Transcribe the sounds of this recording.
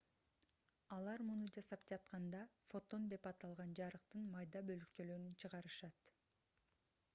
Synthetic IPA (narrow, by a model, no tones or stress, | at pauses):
ɑlˠɑɾmunud͡ʒɑsɑp̚d͡ʒɑt̪̚qɑnd̪ɑfo̞t̪o̞nd̪e̞pɑt̪ɑlˠʁɑnd͡ʒɑɾɯqt̪ɯnmɑjd̪ɑbø̞lykt͡ʃølø̞ɾynt͡ʃʰɯʁɑɾɯʃɑt̪